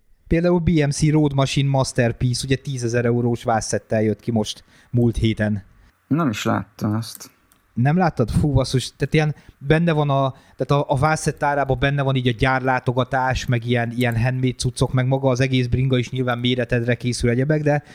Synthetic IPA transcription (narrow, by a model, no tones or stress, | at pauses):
peːld̪aːulbiːɛmsiɾoːd̪mɒʃinmɒst̪ɛrpiːsuɟɛt̪iːzɛzɛɾɛuɾoːʃvaːsɛt̪ːɛljøt̪kimo̞ʃt̪ | mult̪heːt̪ɛn | nɛmiʃla̰ːt̪ːɒmɛst̪ | nɛmlaːt̪ːɒd̪fuːvɒsuʃt̪ːaːt̪ijɛnbɛnːɛvɒnɒ | t̪aːt̪ɒʔːvaːsɛt̪ːaːɾaːbɒbɛnːɛvɒniːɟɒɟaːrlaːt̪o̞ɡɒt̪aːʃmɛɡijɛnijɛnɦɛnmeːt̪sut̪so̞kmɛɡmɒɡɒːzɛɡeːzbriŋɡɒiʃɲilvaːmːeːɾɛt̪ɛd̪rɛkeːsylɛɟɛbɛɡd̪ɛ